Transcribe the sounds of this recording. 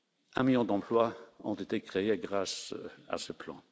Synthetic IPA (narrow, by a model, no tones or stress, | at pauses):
ɛ̃miljɔ̃d̪ɑ̃plwaɔ̰̃t̪et̪ekχeeɡʁasa̰səplɑ̰̃